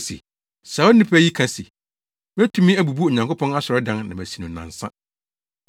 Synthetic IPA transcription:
sḭ˨ | sa˨˦ɔ˦nɪ̃˦pʰæ˦ji˦kʰa˦si˨ | mæ˦tʰũ˦mĩ˦æ˨bu˨bu˦ɔ˨ɲã˨ŋko˦pʰɔ̃˦na˦sɔ˨ɾɛ˦dã˦nnã˨mæ˨si˨nũ˨nã̰˨nsã̰˦

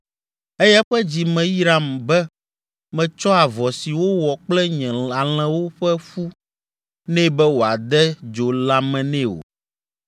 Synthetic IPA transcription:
ɛ˦jɛ˦ɸɛ˦d͡ʑi˨mɛ̃˨ji˦ɾa˨mbɛ˦ | mɛ̃˨t͡ʃɔ˦a˨vɔ˨si˨wo˦wɔ˨k͡plɛ˦ɲɛ̃˨a˨l̃ɛ̃˦wo˦ɸɛ˦ɸu˦ | nɛ̃˦bɛ˦wo˨a˨d̪ɛ˦d͡ʒo˨la˦mɛ̃˨nɛ̃˦o̰˨

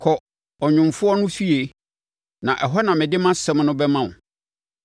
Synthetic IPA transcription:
kʰɔ˨ | ɔ˨ɲʊ̃˨mfʊ˦ɔ˦nʊ̃˦fi˦e˨ | nã˨ʔɛ˨ɦɔ˦nã˨mɪ̃˨dɪ˦mã˦sɛ˦mnʊ̃˦bɛ˦mã˨n˨

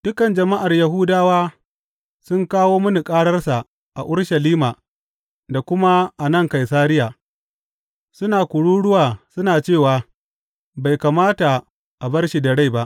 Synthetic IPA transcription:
d̥ʊ˦kɐ˨nd͡ʒɐ˨ma˦ʔa˨rjɐ˨ɦʊː˦daː˦waː˦ | sʊ˦ŋkaː˦woː˦mʊ˦ni˨kʼaː˦ɽɐ˦rsa˨ | ʔa̰˨ʔʊ˦rʃɐ˨liː˦maː˨ | da˨kʷʊ˦ma˦ʔa˨nɐ˦˨ŋka˨jsaː˦ɾɪ˦jaː˨ | sʊ˦naː˨kʷʊ˨ɽuː˦ɽʊ˦waː˨sʊ˦naː˨t͡ʃeː˦˨waː˨ | ba˨jka˨maː˦ta˨ | ʔa˨bɐ˦rʃi˨da˨ɽa˦jba˦ʔ

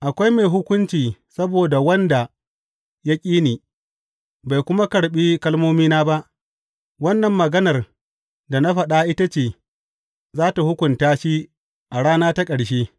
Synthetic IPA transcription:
ʔa˨kʷa˦jme˨jɦʊ˦kʷʊ˦nt͡ʃiː˨sɐ˦boː˨da˨wɐ˦nda˨ | ja˦kʲʼiː˦niː˨ | ba˨jkʷʊ˦ma˦kɐ˨ɽɓiː˦kɐ˦lmoː˦miː˦naː˦ba˦ʔ | wɐ˦nːɐ˨mːɐ˨ɡɐ˦nɐ˨r | da˨na˦ɸɐ˨ɗa˦ʔɪ˦ta˦t͡ʃeː˨ | zaː˦ta˨hʊ˦kʷʊ˨ntaː˦ʃi˦ | ʔa˨ɽaː˦naː˦ta˦kʼɐ˨ɽʃ̬eː˦

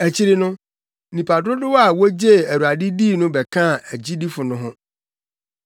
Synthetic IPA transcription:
æ˨t͡ɕʰi˦ɾɪ˦nʊ̃˦ | nĩ˨pʰa˨dɾʊ˦dɪ˦wa˨wo˦d͡ʑe˦˨æ˨ɾu˨a˨dɪ˦diː˦˨nʊ̃˦bɛ˨kʰã˦˨æ˨d͡ʑi˦di˦fʊ˨nʊ̃˦ɦʊ̃˦

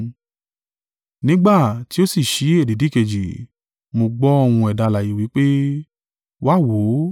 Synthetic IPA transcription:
nĩ˦ɡ͡ba˦˨ti˨˦o˦si˦˨ʃi˨˦e˦˨di˨˦di˦˨ke˧d͡ʒi˨ | mo˧ɡ͡bɔ˦ɔ˦˧˨w̃ũ˧ɛ˨da˧la˨ji˨wi˨˦k͡pe˦ | wa˦˨wo˨˦

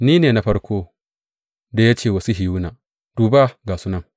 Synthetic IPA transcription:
niː˦neː˨na˨ɸɐ˦ɽkʷoː˦ | da˨ja˦t͡ʃeː˦˨wɐ˨su˦ɦɪ˨ju˦naː˨ | d̥uː˨ba˦ɡaː˨su˦nɐ˦˨ŋ

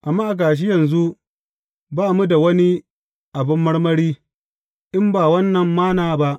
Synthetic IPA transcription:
ʔa˨mːaː˦ʔa˨k̬aː˨ʃ̬ɪ˦jɐ˨nzu˦ | baː˦˨mu˦da˨wɐ˦ni˦ | ʔa˨bɪ˦mːɐ˦ɽmɐ˦ɽiː˦ | ʔɪ˦mbaː˨wɐ˦nːɐ˨mːaː˦naː˨ba˦ʔ

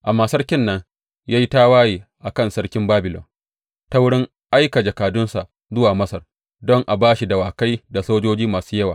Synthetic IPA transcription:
ʔa˨maː˨sɐ˦rkʲɪ˦nːɐ˦ŋ | jaː˦ji˦ta˦waː˦jiː˨ʔa˨kɐ˦˨nsɐ˦ɽkʲɪ˦mbaː˦bɪ˨lɔ̰˨n | ta˦wʊ˦ɽɪ˦ŋ | ʔa˦jka˨d͡ʒɐ˨kaː˨dʊ˦nsa̰˨ʔ | zʊ˦waː˨mɐ˦sɐ˨r | dɔ˦ŋʔa˨baː˦ʃi˨da˨waː˨ka˦jda˨soː˦d͡ʒoː˦d͡ʒiː˦maː˨su̥ː˦jɐ˦waː˨

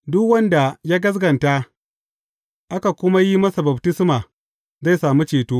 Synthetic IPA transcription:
dʊ˦kwɐ˦nda˨jaː˦ɡɐ˦s̬ɡɐ˨nta˦ | ʔa˦ka˨kʷʊ˦ma˦ji˦mɐ˦sa˨bɐ˨btɪ˦smaː˨ | za˦˨jsaː˨mi˦t͡ʃeː˨toː˦

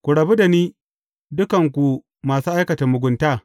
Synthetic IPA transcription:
kʷu˨ɽɐ˨bu˦da˨niː˦ | dʊ˦kɐ˨ŋkʷu˨ | maː˨suː˦ʔa˦jkɐ˨ta˨mʊ˨ɡʷʊ˨˦ntaː˦˨

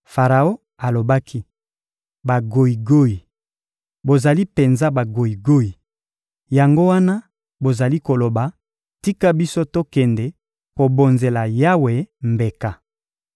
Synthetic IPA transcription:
fa˨ʁa˨o˦ | a˨lo˨ba˦kʰi˦ | ba˨ɡo˨i˨ɡo˦i˨ | bo˨za˨li˦pe˨nza˦ba˨ɡo˨i˨ɡo˦i˨ | ja˨ŋɡo˦wa˦na˦ | bo˨za˨li˦ko˨lo˨ba˨ | ti˦ka˦bi˦so˦to˦kɛ˨ndɛ˨ | ko˨bo˨nze˨la˨ja˦we˨mbe˨ka˨

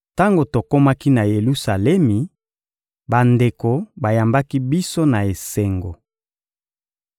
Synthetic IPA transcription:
ta˦ŋɡo˨to˨ko˦ma˦ki˦na˨je˨lu˦sa˨lɛ˦mi˨ | ba˨nde˨ko˨ba˨ja˨mba˦ki˦bi˦so˦na˨e˨se˨ŋɡo˨

